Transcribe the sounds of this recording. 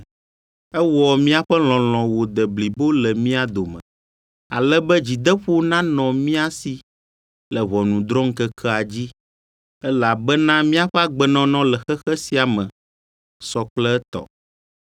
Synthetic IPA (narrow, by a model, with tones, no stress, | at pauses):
ɛ˦wɔ˨mĩ˦a˨ɸɛ˦l̃ɔ̃˨l̃ɔ̃˨wo˨d̪ɛ˨bli˨bo˦lɛ˨mĩ˦a˨d̪o˨mɛ̰̃˨ | a̰˨lɛ˦bɛ˦d͡ʑi˨d̪ɛ˦ɸo˦nã˦nɔ̃˨mĩ˦a˦si˨ | lɛ˨βɔ˨nũ˨d̪ɾɔ̃˦ŋ̩˦kɛ˦kʰɛ˦a˨d͡ʑi˦ | ɛ˦la˨bɛ˦nã˦mĩ˦a˦ɸɛ˦a˦ɡ͡bɛ˨nɔ̃˨nɔ̃˦lɛ˨xɛ˦xɛ˦si˨a˨mɛ̃˨ | sɔ˨k͡plɛ˦ɛ˦t̪ɔ̰˨